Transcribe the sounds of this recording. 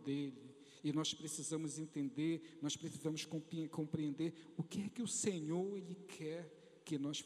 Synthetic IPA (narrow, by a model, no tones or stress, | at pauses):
d̪elɪ | ɪnɔspɾesizɐ̃mʊzẽnt̪ẽnd̪eɾnɔʃpɾesizɐ̃mʊskõpɾiẽkõmpɾiẽnd̪eɾʊkɪɛkɪʊseɲoɾelɪkʰɛɾ | kɪnɔʃ